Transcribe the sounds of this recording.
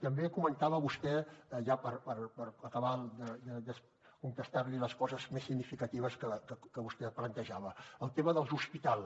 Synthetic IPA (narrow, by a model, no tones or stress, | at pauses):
t̪əmbekumənt̪aβəβust̪ɛʒapəɾpəɾpəɾəkəβald̪əd̪əd̪əs | kuŋt̪əst̪aɾliləskɔzəzmesːiɡnifikət̪iβ̞əskəkəkəβust̪ɛplənt̪əʒaβəəlˠt̪eməðəlˠzuspit̪alˠ